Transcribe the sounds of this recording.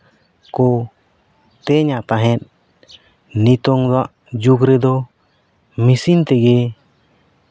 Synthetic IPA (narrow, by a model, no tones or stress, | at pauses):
kɔ | t̪ɛɲapaɦɛt̪̚ˀ | nit̪ɔŋaʔ | d͡ʒuɡɾɛd̪ɔ | misint̪ɛɡɛ